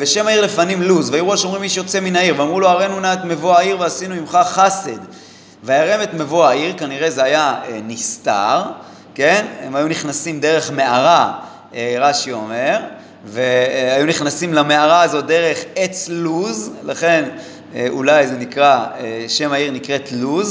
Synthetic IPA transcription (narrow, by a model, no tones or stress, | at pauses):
veʃe̞maiʁlefanimluzveaeʁuoʃomʁimːiʃejo̞t͡se̞minaiʁveamʁulo̞aʁenunat̪me̞voaiʁveasinuimχaχased̪ | vaaʁemet̪mevoaiʁkaniʁe̞zeajaenist̪a̰ʁ | ke̞nemajuniχnasimd̪e̞ʁe̞χme̞aʁa | eʁaʃio̞me̞ʁ | veajuniχnasimlame̞aʁaːzo̞t̚d̪eʁe̞χe̞t͡sluzlaχe̞n | eʔṵlajzenikʁaeʃe̞maiʁnikʁe̞tluz